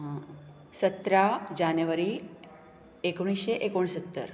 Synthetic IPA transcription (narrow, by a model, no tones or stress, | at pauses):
sət̪ɾad͡ʑanjəʋəɾi | ekoɽ̃isɕeʔekoɳsət̪ːə̰ɾ